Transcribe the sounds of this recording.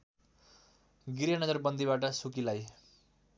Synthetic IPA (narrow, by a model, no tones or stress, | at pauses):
ɡiɾjʌnʌd͡zʌrbʌnd̪ʱiβaʈ̬ʌsukilaj